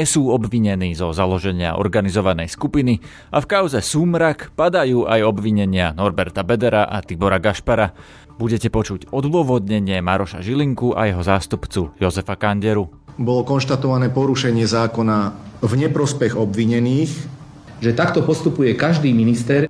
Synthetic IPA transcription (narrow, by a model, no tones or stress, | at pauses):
ɲɛsuːɔbʋiɲɛniːzɔzalɔʒɛɲɪa̰ʔɔ̰ɾɡanizɔʋanɛjskupini | ʔafkaʊzɛsuːmɾakpad̪ajuːʔajɔbʋiɲɛɲɪanɔɾbɛɾt̪abɛd̪ɛɾaʔat̪ibɔɾaɡaʃpaɾa | buɟɛcɛpɔt͡ʃuɟɔd̪ʋʊɔʋɔd̪ɲɛɲɪɛmaɾɔʃa̰ʒiliŋkuʔa̰jɛɦɔzaːst̪upt͡sujɔzɛfakaɲɟɛɾu | bɔlɔkɔnʃt̪at̪ɔʋanɛːpɔɾuʃɛɲɪɛzaːkɔnavɲɛpɾɔspɛɣɔbʋiɲɛniːx | ʒɛt̪akt̪ɔpɔst̪upujɛkaʒd̪iːminist̪ɛɾ